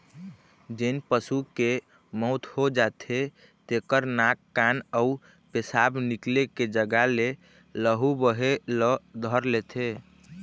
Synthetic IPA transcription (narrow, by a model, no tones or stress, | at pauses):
d͡ʒenpəsuke | mɔʊt̪hod͡ʒat̪ʰe | t̪ekəɾnakːanəu | pesabnikleked͡ʒəɡale | ləɦubəɦeləd̪ʱəɾlet̪ʰe